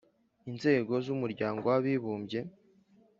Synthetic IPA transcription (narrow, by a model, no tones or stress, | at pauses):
inze̞ːɡo̞zumuɾɟaːŋɡowaβiβuːmbɟe̞